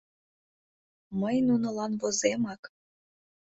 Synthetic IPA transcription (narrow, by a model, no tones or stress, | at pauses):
məjnunə̆lɑnβozemɑk